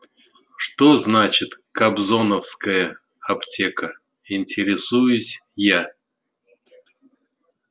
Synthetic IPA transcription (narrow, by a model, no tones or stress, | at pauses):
ʂt̪oznat͡ɕɪt̪kɐbzo̞nəfskəjə | ɐptʲʰekə | ɪnʲtʲɪɾʲɪsujʊsʲja